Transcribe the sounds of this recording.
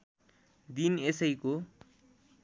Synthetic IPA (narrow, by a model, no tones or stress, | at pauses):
d̪inesʌjko